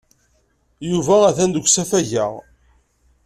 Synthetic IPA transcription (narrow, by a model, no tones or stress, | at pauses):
juvææθænd̪əkʷsæfæʝæʁ